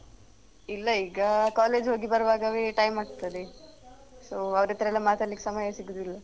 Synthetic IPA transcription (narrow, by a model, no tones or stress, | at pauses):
ilːɐiːɡɐkaːle̞ːd͡ʒɦoːɡibɐɾɐʋaːɡɐʋeʈɐjmaːɖt̪ɐd̪e | soːɐʋɾet̪ɐɾɛlːɐmaːt̪ɐɽlːikːe̥sɐmɐjɐsiɡud̪ilːɐ